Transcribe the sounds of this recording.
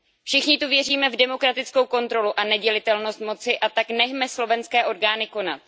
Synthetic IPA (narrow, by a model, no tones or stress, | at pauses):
fʃɪxɲɪt̪uvjɛriːmɛvdɛmo̞kɾat̪ɪt͡sko̞wko̞nt̪ɾo̞luʔanɛɟɛlɪt̪ɛlno̞st̪mo̞t͡sɪʔat̪aknɛɦmɛslo̞vɛnskɛːʔo̞ɾɡaːnɪko̞na̰t̪̚